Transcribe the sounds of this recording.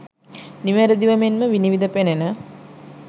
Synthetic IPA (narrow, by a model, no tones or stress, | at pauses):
niʋæɾəd̪iʋɐmenməʋiniʋid̪əpenenə